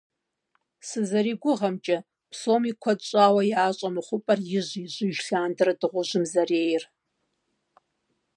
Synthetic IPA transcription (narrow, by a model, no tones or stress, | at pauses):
sɨzɐɾiɡʷʊʁɐmt͡ʃʼɐ | pʰsoːmikʷʰɐt͡ʃʼaːwɐjaːɕʼɐmɨχʷʊpʼɐrjɪʑʷiʑʷɪʒɬaːndɨrɨdɨʁʷʊʒɨmzɐreːjɪr